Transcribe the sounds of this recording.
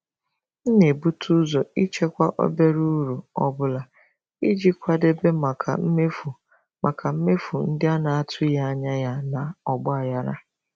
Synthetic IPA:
n̩˦ne˨bu˦tʰu˦zɔ˨i˦t͡ʃe˦kʷa˦ʔo̰˦be˦ɾu˦ɾu˨ɔ̰˦bʊ˦la˨ | i˦d͡ʒi˦kʷa˦de˦be˦ma˨kʰa˨m̩˦˨ | ma˨kʰa˨m̩˦me˦fu˨n̩˦dɪ˦a˦na˨a˦tʰʊ˦ja˦a˦ɲa˦ja˦na˨ɔ˨ɡ͡bʊ˦a˨ja˦ɾa̰˦

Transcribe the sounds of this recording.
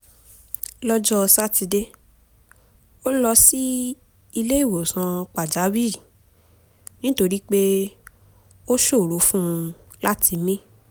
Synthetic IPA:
lɔ˦d͡ʒɔ˦˧sa˦˨ti˧de˦ | o˦lɔ˧si˦ | i˧le˦i˦˨wo˨sã˧k͡pa˨d͡ʒa˨˦wi˦˨ | nĩ˦to˧ɾi˦k͡pe˦ | o˦ʃo˦˨ɾo˨˦fũ˦˧ | la˦tʰi˧mĩ˦

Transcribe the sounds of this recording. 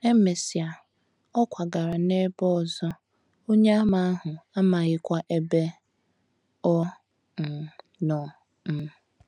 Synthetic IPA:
e˦me˨si˨a˨ | ɔ˦kʷa˨ɡa˨ɾa˨ne˦bɔ˦ɔ˨zɔ˦ | o˦ɲe˦a˦ma˨a˦ɦʊ˨a˦ma˨ɣɪ˦kʷa˦ʔe˦be˦ | ɔ˦˨ | nɔ˨ | m̩˨

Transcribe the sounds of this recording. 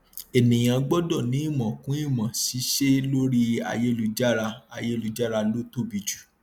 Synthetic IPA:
e˨nĩ˨j̃ã˨˧ɡ͡bɔ˦dɔ˦˨nĩ˨˦i˦˨mɔ̃˨kũ˨˦i˦˨mã˨si˨˦ʃe˦lo˦ɾi˦a̰˨je˦lu˧d͡ʒa˦ɾa˧a˧˨je˦lu˧d͡ʒa˦ɾa˧lo˦to˦˨bi˨˧d͡ʒu̥˦˨

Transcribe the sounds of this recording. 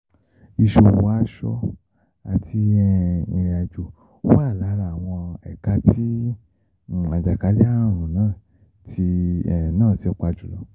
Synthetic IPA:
i˧˨ʃo˧wa˦ʃɔ˦ | a˨tʰi˧ɛ˧ĩ˧ja˨d͡ʒu˨˦ | wa˦˨la˨˦ɾa˨w̃ɔ̃˧ɛ̰˨ka˧ti˦˨ | a˨d͡ʒa˨ka˨˦li˦a˦˨ɾ̃ũ˨nãː˦˨ | tʰi˧˨nãː˦˨si˧˦ɔ˧k͡pa˧d͡ʒu˨lɔ˨˧˦

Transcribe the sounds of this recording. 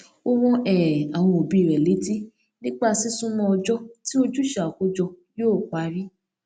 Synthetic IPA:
o˦wɔ̃˦ʔɛ˦˨a˨w̃ɔ̃˧o˨bi˨˦˨ɾɛ˨le˨˦ti˦ | nĩ˦k͡pa˦˨si˦sũ˦mɔ̃˧ɔ˧d͡ʒɔ˦ti˦o˧d͡ʒu˦ʃa˨ko˦d͡ʒɔ˧joː˦˨kʷa˨˦ɾi˦

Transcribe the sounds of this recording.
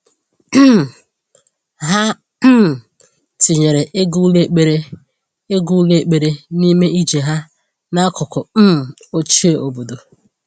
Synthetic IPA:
ɦa˦ | m̩˦˨ | ti˨ɲe˨ɾe˨ʔe˦ɡu˦le˦k͡pe˨ɾe˦ | e˦ɡu˦le˦˨k͡pe˨ɾe˦ni˦me˦i˦d͡ʒe˨ɦa˦ | na˦kʊ˨kʊ˨m̩˦˨ | o˦t͡ʃi˦e˨o˨bo˨do˨

